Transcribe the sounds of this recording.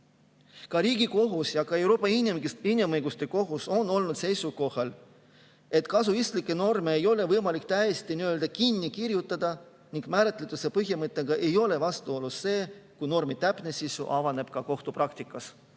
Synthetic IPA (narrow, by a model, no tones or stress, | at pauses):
kɑɾiːɡiko̞ɦusjɑkɑe̞wɾo̞ːpːˑɑiniminimɤjɡ̥ust̪e̞ko̞ɦuso̞nːo̞lnud̪̥se̞jsuko̞hɑl | et̪ˑkɑsuist̪likːˑe̞no̞rme̞ːjo̞le̞vɤjmɑlik̚t̪æjest̪iniø̞ːld̪ɑkinːikiɾjut̪ːˑɑd̪̥ɑ | niŋɡ̥mæːɾet̪ːˑlet̪usepɤɦjɑmɤt̪ˑːeɡ̥ɑʔe̞jo̞le̞vɑst̪uo̞lːusse̞ːkujno̞rmit̪æpˑnesisṵʔɑvɑne̞b̥kɑko̞ht̪uprɑkt̪ikːˑɑs